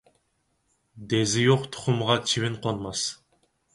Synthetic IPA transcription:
d̪ezɪjoqt̪ʰʊ̥χʊmʁɑt͡ʃʰiβɪnqʰonmɑs

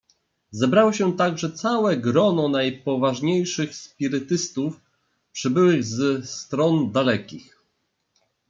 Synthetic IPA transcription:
zɛbɾawɔɕɛt̪aɡʐɛt̪sawɛɡɾɔnɔnajpɔvaʐɲejʂɘxspʲiɾɘt̪ɘst̪uf | pʂɘbɘwɘɣzɛst̪ɾɔnd̪alɛkʲix

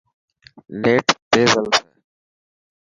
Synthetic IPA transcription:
leːʈb̪eːzəlsḛː

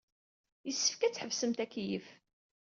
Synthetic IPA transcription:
jəsːə̥fkæt͡sːħəvsəmt̪ækːjəf

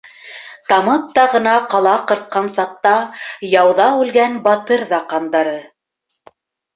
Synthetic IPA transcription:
t̪ɑmɤp̚t̪ɑʁɤ̆nɑqɑlˠɑqɤ̆ɾt̪̚qɑnsɑq̚t̪ɑjɑwðɑʉlɡænbɑt̪ɤɾðɑqɑnd̪ɑɾɤ

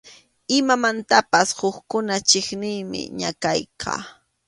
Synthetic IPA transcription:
ɪmamant̪apashʊχkʊnat͡ʃɪχnɪːmɪ̰ɲa̰kajkʰɑ̰ː

